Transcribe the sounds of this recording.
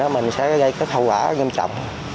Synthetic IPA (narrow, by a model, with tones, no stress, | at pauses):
ɛ˨˦mï˨˩ŋ̟sɛ̰˧˥ɔ˨˦ɣə˧˦jkə˦˥k̚hə˧wkaː˧˩˦ŋi˧mt͡ɕɔ̰˧˨wŋ͡m